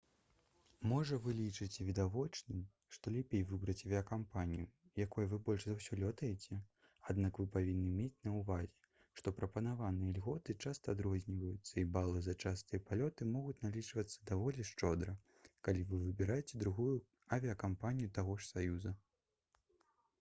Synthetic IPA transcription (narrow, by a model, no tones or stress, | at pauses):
mɔʐɐvɨlʲit͡ʂɨt͡sʲɛvʲid̪avɔt͡ʂnɨm | ʂt̪ɔlʲɛpʲejvɨbɾɐt͡sʲɐvʲiɐkampanʲijujakɔjuvɨbɔlʲʂzawsʲɔlʲɔt̪ɐjɛt͡sʲɛ | ad̪nakvɨpavʲinːɨmʲet͡sʲnɐwvazʲɛ | ʂt̪ɔpɾɐpɐnavanɨjɛlʲɣɔt̪ɨt͡ʂast̪ɐːd̪ɾɔzʲnʲivɐjut̪sːɐibalˠɨzɐt͡ʂast̪ɨjɐpalʲɔt̪ɨmɔɣut͡sʲnalʲit͡ʂvɐt̪sːɐ̥d̪avɔlʲɛʂt͡ʂɔd̪ɾɐ | kalʲivɨvɨbʲiɾajɛt͡sʲɛd̪ɾuɣuju | ɐvʲiɐkampanʲijut̪aɣɔʂsajuzɐ